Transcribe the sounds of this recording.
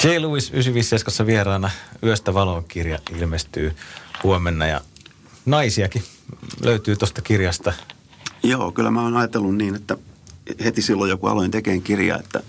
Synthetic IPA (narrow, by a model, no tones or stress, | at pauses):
keiluisysyʋisːeskɑsːɑʋierɑːnɑyøst̪æʋɑloŋkirjɑʔʔilmest̪yːhuomenːɑjɑ̰ | nɑisiɑki | lʔøyt̪yːt̪ost̪ɑkirjɑst̪ɑ | jo̰ːkylːæ̰mæoːnɑjɑt̪elːunniːnet̪ːæhet̪isilːojjokuɑ̰loint̪ekeːŋkirjɑ̰ḛt̪ːæ̰